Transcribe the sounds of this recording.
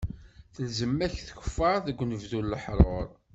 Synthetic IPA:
θəlzəmːæçθçə̥fːɑɾˤðəɡʷːnəvðulːəħɾˤoɾˤ

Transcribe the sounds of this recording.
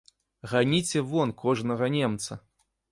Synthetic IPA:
ɣanʲit͡sʲɛvɔnkɔʐnɐɣɐnʲemt̪sɐ

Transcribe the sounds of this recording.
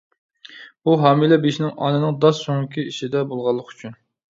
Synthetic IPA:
buɦɑːmilɛbeʃnɪŋɑ̰nɨnɨŋd̪ɑssoŋkʲiiʃid̪ɛbolˠʁɑlˠːəqy̥t͡ʃʰyn

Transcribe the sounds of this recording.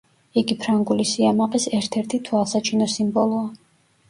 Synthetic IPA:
iɡipʰɾaŋɡulisiamaqʼisɛɾt̪ʰɛɾt̪ʰit̪ʰwalˠsat͡ʃʰinɔsimbɔlˠɔa

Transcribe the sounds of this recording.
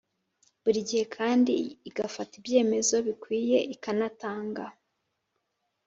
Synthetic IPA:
buɾiɟihe̞kʰaːndḭːɡafatibje̞ːme̞zo̞βikwiːje̞ikanataːŋɡa

